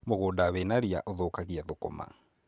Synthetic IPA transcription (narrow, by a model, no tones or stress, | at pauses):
moɣodawenaɾia̰ʔoðoːkaɣiaðoko̰ma̰